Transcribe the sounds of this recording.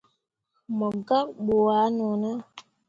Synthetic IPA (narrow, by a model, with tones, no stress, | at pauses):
mə˨ɡa˦ɓo˨a˨˦nɔ˨nə˦